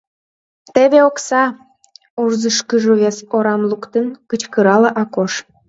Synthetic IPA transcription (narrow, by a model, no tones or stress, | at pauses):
t̪eβeoksɑ | urzəʃkəʒoβesoɾɑmlukt̪enkət͡ɕkəɾɑleʔɑkoʃ